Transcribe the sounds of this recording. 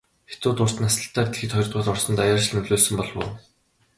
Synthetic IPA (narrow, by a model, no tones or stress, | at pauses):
xet͡s̪ʊːt̪ʊr̥t̪̆nasə̆ɬt̪æːt̪xɘ̆t̪χɔrt̪ʁʊːt̪ɔrsɞ̆nt̪ajaːrt͡ɕ̆ɮnɵɮoːsɵ̆mpɔɮwʊ̰ː